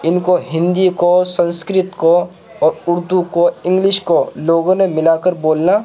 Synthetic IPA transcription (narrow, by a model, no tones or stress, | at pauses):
ɪnkoɦɪ̃nd̪ikosɐ̃nskɾɪt̪ko | ɔːɾʊɾd̪ukoɪ̃ŋɡlɪʃkoloːɡõnemɪlaːkəɾboːlnaː